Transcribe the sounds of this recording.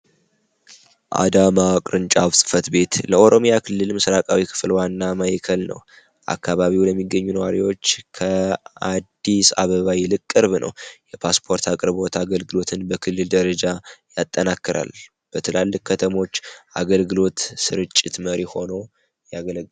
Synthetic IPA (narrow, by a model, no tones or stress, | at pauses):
ʔa̰d̪amakʼɾɨnt͡ʃʼaβsʼɨ̥fət̪be̞t̪ləʔo̞ɾo̞mjakʰɨlːɨlmɨsɾakʼawikʰɨ̥flwanːamajikʰəlnə̰w | ʔa̰kːaβaβiwləmːiɡːəɲːunəwaɾiwo̞t͡ʃːkʰəad̪ːisa̰βəβajilɨkʼːɨɾβnə̰wjɛpʰaspʰo̞ɾt̪ʰakʼɨɾβo̞t̪ʰaɡəlɡɨlo̞t̪ʰɨnbəkʰɨlːɨld̪əɾəd͡ʒajat̪ʼːənakːɨɾa̰l | b̥ət̪ʰɨlalːɨkkʰːət̪ʰəmo̞t͡ʃːʔaɡəlɡɨlo̞t̪sɨɾɨt͡ʃʼːɪt̪məɾiho̞no | jaɡəl